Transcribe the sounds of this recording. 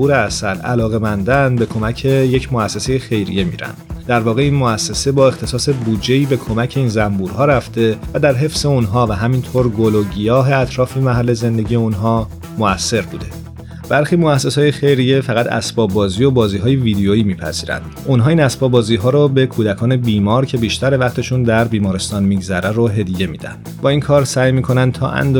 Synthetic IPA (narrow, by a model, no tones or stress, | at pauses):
uːɾeæsælæ̰lɒːɣe̞mænd̪ænbe̞kʰo̞mæcʰe̞jecʰmoæsːe̞se̞je̞xe̞jɾḭje̞mḭːɾæ̰nd̪̥d̪æɾvɒːɣe̞iːnmoæsːe̞se̞bɒːe̞xt̪ʰe̞sɒːse̞bud͡ʒe̞iːbe̞kʰo̞mæcʰe̞iːnzæmbuɾhɒːɾæft̪e̞væd̪æɾɦe̞fse̞unɦɒːvæɦæmint̪ʰoɾɡoloɟijɒːɦe̞æt̪ʰɾɒːfe̞mæɦælːe̞ze̞nd̪e̞ɟijeunɦɒː | moæsːe̞ɾbuːd̪e̞ | b̥æɾxiːmoæsːe̞sɒːjexe̞jɾijefæɣæt̪æ̰sbɒːbɒːziːjo̞bɒːziːɦɒːjevid̪ejoiːmiːpʰæ̰zḭːɾæ̰nd̪̥ʔunɦɒːiːnæsbɒːbɒːziːɦɒːɾɔbe̞kʰuːd̪ækʰɒːne̞biːmɒːɾcʰe̞biːʃt̪ʰæɾevæχt̪ʰe̞ʃund̪æɾbiːmɒːɾe̞st̪ɒːnmiːɡzæɾæroɦe̞d̪ije̞mḭːd̪æ̰nd̪bɒːiːnkʰɒːɾsæːjmiːkʰo̞nænd̪̚t̪ʰɒ̰ːʔæ̰nd̪